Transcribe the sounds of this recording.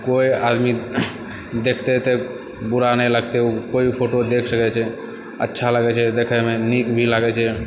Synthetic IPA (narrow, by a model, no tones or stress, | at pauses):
koiad̪mi | d̪ekʰt̪ɛt̪e | buɾanɛləɡt̪eukoipʰoʈod̪ekʰsəkɛt͡ʃʰɛ | ə̰tːʃʰalaɡɛt͡ʃʰɛd̪ekʰɛmenikbʱilaɡɛt͡ʃʰɛ